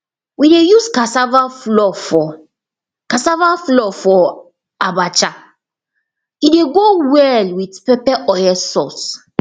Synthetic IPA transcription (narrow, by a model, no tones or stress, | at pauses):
widejuskasavaflɔfɔ | kasavaflɔfɔ | abat͡ʃa | ideɡowɛlwitpɛpɛʔɔjɛsɔs